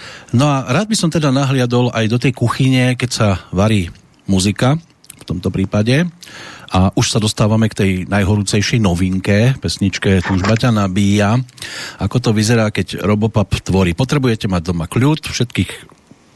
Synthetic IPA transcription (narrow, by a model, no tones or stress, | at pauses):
nɔaɾaːd̪̚bisɔmt̪ɛd̪anaɦlɪad̪ɔlajd̪ɔt̪̬ɛjkuxiɲɛkɛcsaʋaɾiː | muzika | ft̪ɔmt̪ɔpɾiːpaɟɛʔaʔuʃsad̪ɔst̪aːʋamɛkt̪ɛjnajɦɔɾuːt͡sɛjʃɛjnɔʋiŋkɛpɛsɲit͡ʃkɛːt̪uːʒbacanabiːja | akɔt̪̬ɔʋizɛɾaːkɛɟɾɔbɔpapt̪ʋɔɾiːpɔt̪ɾɛbujɛcɛmaɟ̚d̪ɔmakʎut̪fʃɛt̪kiːx